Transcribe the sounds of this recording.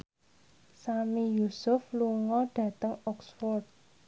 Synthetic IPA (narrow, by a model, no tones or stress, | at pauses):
samijusʊfluŋɔɖ̥ä̤t̪əŋɔksfɔrt̪̚